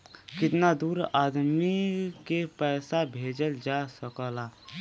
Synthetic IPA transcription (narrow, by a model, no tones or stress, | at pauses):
kɪt̪nad̪uːɾaːd̪mikepɛːsabʱeːd͡ʒəld͡ʒasəkəlaː